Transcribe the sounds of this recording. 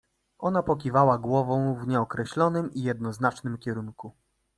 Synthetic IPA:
ʔɔnapɔkʲivawaɡwɔvɔ̃w̃vɲɛɔkɾɛɕlɔnɘmijɛd̪̚nɔznat͡ʂnɘmkʲɛɾuŋku

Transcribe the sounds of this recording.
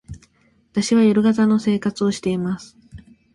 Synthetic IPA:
βat̪aɕiβajoɾɯ̟ɡat̪ano̞se̞ːkat͡sɨo̞ɕi̥t̪e̞imasɨ̥

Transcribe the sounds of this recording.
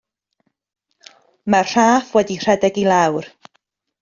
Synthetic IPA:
marr̥aːfwɛdir̥ɛdɛɡilˠawr

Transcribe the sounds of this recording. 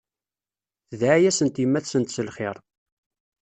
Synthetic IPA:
θðʕajæsənt̪imːæθsənt̪səlχɪ̰ɾˤ

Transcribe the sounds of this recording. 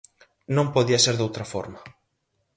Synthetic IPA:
nõmpoðiɐseɾðowt̪ɾɐfɔ̰ɾmɐ

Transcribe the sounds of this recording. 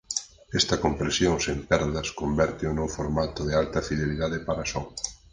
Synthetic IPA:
ɛst̪ɐkompɾesjoŋsempɛɾðɐskombɛɾt̪ɪunowfoɾmat̪oðealt̪ɐfiðeliðaðɪpaɾasɔŋ

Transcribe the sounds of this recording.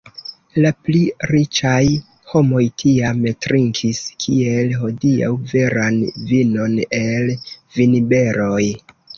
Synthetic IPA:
lapliɾit͡ʃaj | ho̞mo̞jtʰiametɾʔiŋkʰiskʰie̞lɦo̞dia̰wve̞ɾanvino̞ne̞lvinbe̞ɾo̞j

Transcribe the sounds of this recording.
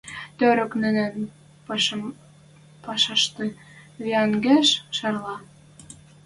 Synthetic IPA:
t̪øɾə̆knɘ̆næn | pm | pɑʃɑʃt̪ɤ | βiɑŋɡeʃʃɑrlɑ

